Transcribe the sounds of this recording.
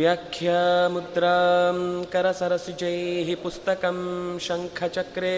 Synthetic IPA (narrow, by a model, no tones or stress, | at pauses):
jakʰjɐmud̪ɾa | kɐɾɐsɐɾɐsid͡ʑɐjɦipust̪ɐkɐmɕɐŋkʰɐt͡ʃɐkɾe